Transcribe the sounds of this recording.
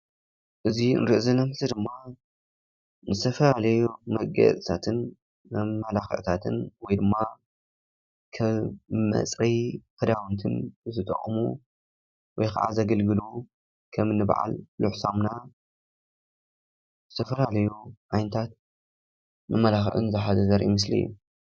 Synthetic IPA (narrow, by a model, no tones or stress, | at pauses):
ʔɨziɨ̰nɾiʔzɐlɐmħsɨd̪ɨmːa | nɨzt̪ʰɐfɐlalɐjumɐɡɐ̰t͡sʼt̪ʰat̪ʰɨn | mɐmːɐlaxɐ̰ʔt̪ʰat̪ʰɨnwɔjd̪ɨmːa | kʰɐβmːɐ̰t͡sʼɾijfʰɐd̪awnt̪ʰɨ̰nzɨt̪ʼɐ̰χʼmṵ | wɔjkʰa̰ʕa̰zɐɡɐlɡɨlu | kʰɐmɨnːɨb̰ʕa̰lluħsomna | zɨt̪ʰɐfɐlalɐjuʕajnɐt̪ʰat̪̚ | mɐmːɐlaxʔɨ̰nzɨħazɐzɐɾʔḭmɨs̬lḭjːṵ